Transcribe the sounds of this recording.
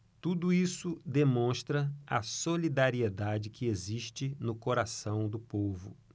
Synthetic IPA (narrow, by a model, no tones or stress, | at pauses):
t̪ud̪ʊisʊd̪emõʃt̪ɾɐɐ̰solid̪aɾied̪ad͡ʒɪkʰɪeziʃt͡ʃɪnʊkoɾasɐ̃w̃d̪ʊpovʊ